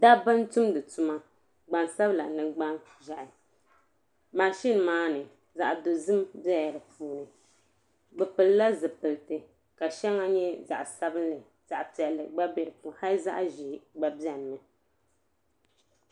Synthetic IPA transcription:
da˦bɨ˦n˦tu˦mdɨ˨tu˦ma˦ | ɡ͡ba˨nsa˦bla˨nɨ˨ɡ͡ba˦n | ʒa˨ʔɪ˨ | ma˨ʃi˦n˨maː˦nɨ˨ | za˨ʔdo˨zɨ˦mbɛ˦˨ɾɨ˨puː˦nɨ˨ | ɡ͡bɛ˨pɨ˨lla˦zɨ˨pɨ˨ltɨ˨ | ka˨ʃɛ˦ŋa˦ɲɛ˦za̰˨ʔsa˦bɨ˦nlɨ˨ | z̥a˨ʔpi˨ɛ˨lːɨ̰˨ɡ͡ba˦bɛ˨ɾɨ˨pu˨ha˦lza̰˦ʔʒi˨ɡ͡ba˦bjɛ˨n˨mɨ˨

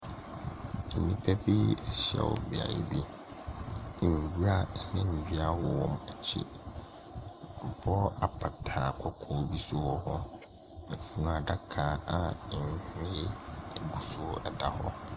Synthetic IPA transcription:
nĩ˦pʰɛ˦bi˦ɛ˨ɕɛ̰˨wɔ̰˨bi˨a̰˨jḭ˦bi˦˨ | ɡu˦ɾa˨nɪ̃˦ɲ̩˨d͡ʑᶣi˦a˦wɔ˨wɔ˨mɛ˨t͡ɕʰḭ˦˨ | kʰʊ˨pʰɔ˦a˨pʰa˨tʰaː˨kʰɔ˦kʰɔ˨bi˦sʊ˦wɔ˦hɔ˦ | ɛ˨fu˦n˨a˨da˦kʰaː˨˦a˨ɲ̩˨˦hɪ̃˦ɾɪ˦˨ɡu˨sʊ˦ɛ˨da˨hɔ̰˦

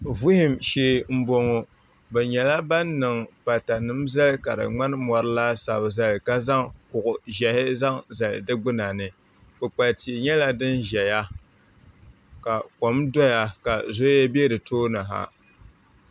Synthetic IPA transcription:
vu˦hɪ˨mʃeː˦m̩˦bo˦ŋo˨ | bɛ˨ɲɛ˨la˦ba˦nːɨ˨ŋpa˨ta˨nɨ˦m˦za˦lka˨ɾɨ̰˨ŋ͡ma˦n˦mɔ˨ɾɨ˦laː˦sa˨bɨ˨za˦lka˦za˦ŋkʊ˨ʔʊ˨ʒɛ˨hɪ˦za˦ŋza˨l̰dɨ˦ɡ͡bɨ˦na˨nɨ˨ | bʊ˨k͡pa˨lti˨ɲɛ˦la˦dɨ˦nʒɛ˨ja˦ | ka˨ko˨mdɔ˦ja˨ka˨zo˦jɛ˦be˦ɾɨ˨toː˦nɨ˨ɦa̰˨

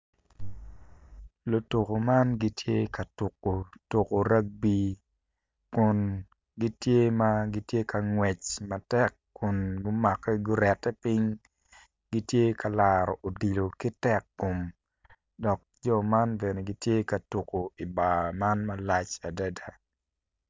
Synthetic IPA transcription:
lo˨to˨ko˨ma˦nɡi˦tje˦ka˨tu˨kːo˨to˨ko˨ɾa˦k̚bi˦ | kʊ˨n | ɡi˦tje˦ma˦ɡi˦tje˦ka˨ŋwɛ˨t͡ʃma˨tɛ˦k | kːʊ˨nɡʊ˦ma˨kːɛ˦ɡʊ˦ɾɛ˨tːɛ˦pi˦ŋ | ɡi˦tje˦kʰa˨laːɾɔ̰˨ʔo˨di˨lo˨ki˦tɛ˦˨kːo˨m | dɔ˨k̚d͡ʒɔ˦˨ma˦nbe˨ne˨ɡi˦tje˦ka˨tu˨ko˨i˨ba˨ma˦nmɐ˦la˦t͡ʃa˨da˦da˨

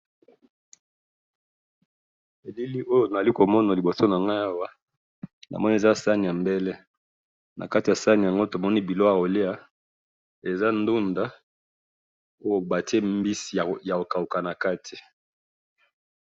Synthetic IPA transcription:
e˨li˦li˦ʔo˦jo˨na˨a˨li˦ko˨mɔ˦na˨li˨bo˨so˦na˨ŋɡa˦a˦wa˦ | na̰˨mɔ˦ni˦e˨za˦sa˦ni˨ja˨mbɛ˦le˦ | nʔa̰˨ka˦ti˨ja˨sa˦ni˨a˨ŋɡo˦to˨mɔ˦ni˦bi˨lo˦a˨o˨li˦a˨ | e˨za˦n˦du˦nda˨ | o˦jo˨ba˨te˦mbi˦si˨ja˨o˨ka˨u˨ka˨na˨ka˦tʰi̥˨

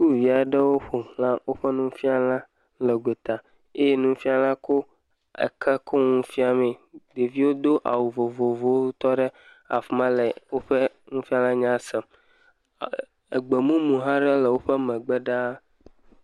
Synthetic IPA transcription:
ku˦vi˨a˨ɖɛ˦wo˦ɸo˨lã˦wʔo˦ɸɛ˦nũ˦fi˦a˨lã˦ | lɛ˨ɡʷe˨t̪a˨ | e˦je˦nũ˦fi˦a˨lã˦ko˦ | ɛ̰˨kʰɛ˦kʰɔ˦ŋũ˦fi˦a˨mɛ̃˨d̪e˨vi˦wo˦d̪o˦ʔa̰˨wu˨vo˨vo˨vo˨wo˦t̪ɔ˦ɖɛ˦ | a̰˨fmã˦lɛ˨wo˦ɸɛ˦ | ŋũ˦fi˦a˨lã˦ɲã˦sɛ˨m | ɛ˨ɡ͡be˨mũ˦mũ˨ɦã˦ɖɛ˦lɛ˨wo˦ɸɛ˦mɛ̃˨ɡ͡bɛ˦ɖa˦

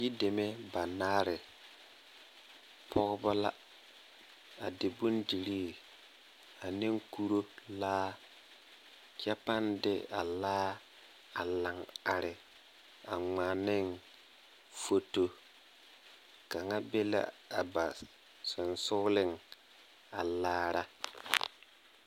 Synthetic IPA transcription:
ji˦de˨me˦ba˨naː˦ɾɪ˨ | pʰɔ˦ɣba˦la˦ | a˨dɪ˨bʊ˦nd͡ʒi˨ɾiː˦ | a˨nɪ˦ŋku˦ɾo˦laː˦ | kɛ˦pa˦ndɪ˦a˨laː˦ | a˨la˨ŋa˨ɾɪ˨ | a˨ŋ͡ma˨nɪ˦ŋ | fo˦to˦ | ka˨ŋa˦be˦la̰˦a˨ba˨ | sʊ˨nsʊ˦lɪ˦˨ŋ | a˨laː˦ɾa˦

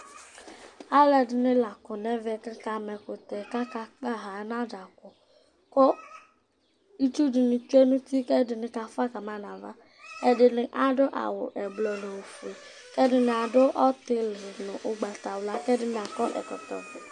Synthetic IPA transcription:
a˦lɛ˨dɪ˨nɪ˦la˨kɔ˨nɛ˦vɛ˦˨kɪ˦ka˨mɛ˨kʊ˨t̪ɛ˨ka˦ka˨k͡pa˦ɦa˨˦na˦da˨kʊ˨ | kɔ˦ | i˦tu˦dɪ˨nʊ˨t͡ʃe˦nʊ̃˦ti˦kɛ˦dɪ˨nɪ˨ka˨fa˦ka˨ma˨na˨va˦ | ɛ˦dɪ˨nɪ˦ʔa˨dʊ˦ʔa̰˨wʊ˨ʔɛ˨blɔ˨nʊ˨o˨fe˨ | kɛ˦dɪ˦nɪ˨a˨dʊ˦ʔɔ˦t̪ɪ˦lnʊ˨ʔʊ˨ɡ͡ba˨t̪a˨wʊ˨la˨kɛ˦dɪ˦n˨a˨kɔ˦ʔɛ̰˨kɔ˨t̪ɔ̰˨vɪ˨

